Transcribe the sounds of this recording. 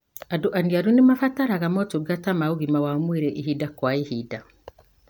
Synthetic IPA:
aduʔaniaɾunimafataɾaɣamɔtuɡatamauɣimawamwiɾɛʔiɦidakwaihida

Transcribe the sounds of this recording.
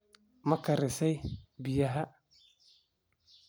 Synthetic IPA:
mɐkʰɐɾɪsɛjbɪjɐɦɐ

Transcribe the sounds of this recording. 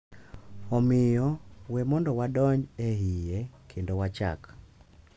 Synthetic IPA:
ɔmɪjɔwɛmɔndɔwadɔɲɛɦijekʰendowat͡ʃa̰k

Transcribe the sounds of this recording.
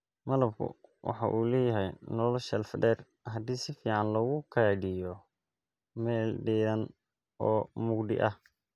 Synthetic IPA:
mɐlɐb̚kʰʊ̰wʔɑ̰ħɑ̰ʔuːlɛːjɐɦɛjnɔlɔʃɛlfd̪ɛːr | ɦɐd̪iːsɪfiːʕɑnlɔːɣʊkʰɐɖɪjɔ | mɛːlɖiːɾɐn | ʔɔːmʊɡd̪ɪ̰ʔɐh

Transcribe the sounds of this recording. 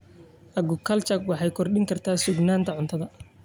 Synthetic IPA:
ʔɐɡʊkʰɐlt͡ʃɐkwɑħɑjkʰɔrɗɪŋkʰɐrt̪ʰaːsʊɡnaːnt̪ʰɐʕʊnt̪ʰɐðɐ

